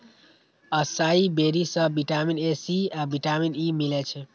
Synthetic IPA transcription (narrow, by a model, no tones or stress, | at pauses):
əsaibeɾisə̃biʈaminesiabiʈaminimilet͡ʃʰɛ